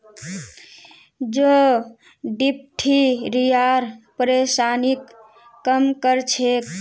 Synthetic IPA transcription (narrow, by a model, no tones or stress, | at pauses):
d͡ʒo | ɖip̚ʈʰiɾijaɾpəɾesanikː | əmkəɾt͡ʃʰek